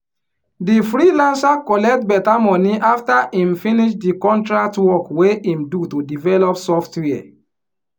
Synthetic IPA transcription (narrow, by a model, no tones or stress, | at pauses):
difɹilãnsakɔlɛk̚tbɛtamɔ̃niʔaftaʔĩmfiniʃdikɔ̃ntɹak̚twɔkweʔĩmdutudivɛlɔpsɔftwɛa̰